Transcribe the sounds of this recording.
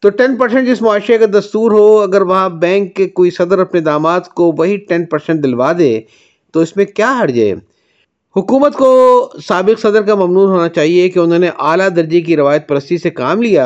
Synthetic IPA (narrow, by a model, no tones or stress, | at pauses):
t̪oːʈɛnpɐɾsɛ̃ɳʈd͡ʒɪsmʊaːʃɾekad̪ɐst̪uːɾɦoɐɡəɾʋɐɦãbɛ̃ːŋkːekoːisɐd̪əɾɐpned̪aːmaːt̪koʋɐɦiʈɛ̃npɐɾsɛ̃ɳʈ̚d̪ɪlʋaːd̪ḛ̃ː | t̪oɪsmẽkjaːɦɐɾd͡ʒḛː | hʊkuːmət̪kosaːbɪqsɐd̪əɾkamɐmnuːɾɦoːnat͡ʃaːɦiekeʊnɦõːneʔaːlad̪ɐɾd͡ʒik̬iɾɪʋaːjət̪̚pɐɾəst̪isekaːmlijaː